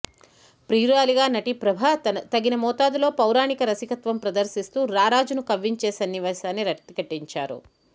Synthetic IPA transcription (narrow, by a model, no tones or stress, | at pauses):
pɾiːɾaːliɡaːnɐʈipɾɐbʱat̪ɐɡinɐmɔːt̪aːd̪ulo̞ːpɐwɾaːnikɐɾɐsikɐt̪ʋɐmpɾɐd̪ɐɾsist̪uːɾaːɾaːd͡ʒunukɐʋːiɲt͡ʃeːsɐnːiʋaːsaːnːiɾɐkt̪ikɐʈːiɲt͡ʃaːɾṵ